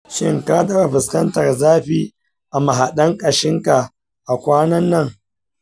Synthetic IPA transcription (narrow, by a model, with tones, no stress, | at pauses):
ʃɪ˦ŋka˦dɐ˨a˨ɸɪ˨skɐ˦ntɐ˨rzaː˦ɸiː˦ | ʔa˨ma˨ɦa˨ɗɐ˦ŋkʼɐ˨ʃɪ˦ŋka˨ | ʔa˨kʷaː˦nɐ˦nːɐ˦ŋ